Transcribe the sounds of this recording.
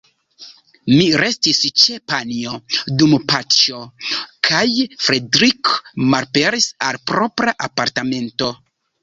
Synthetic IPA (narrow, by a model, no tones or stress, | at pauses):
miɾe̞stist͡ʃepanio̞dumpat͡ʃo̞kʰajfɾedɾikmalpe̞ɾisalpɾo̞pɾaʔapaɾtame̞nto̞